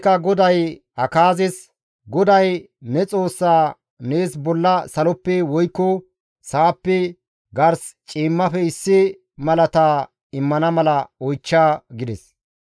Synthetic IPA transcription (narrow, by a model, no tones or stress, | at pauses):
kːɐɡɔd̪ɐj | hɐkaːzɪs | ɡɔd̪ɐj | nɛt͡sʼo̞ːsːaː | neːsbɔlːɐsɐlɔpːɛwɔjkːɔ | saːpːɛ | ɡɐɾst͡ʃʼiːmːɐfɛɪsːɪ | mɐlɐt̪aː | ɪmːɐnɐmɐlɐɔjt͡ʃːaːɡɪd̪ɛs